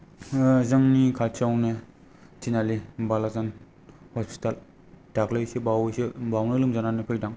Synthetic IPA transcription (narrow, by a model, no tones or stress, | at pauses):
zɯŋnikʰat͡ʃawne | tʰinalibalazan | hɔspi̥tal | d̥aklɯjsɯbawsɯbawnɯlɯmzananepʰɯjdaŋ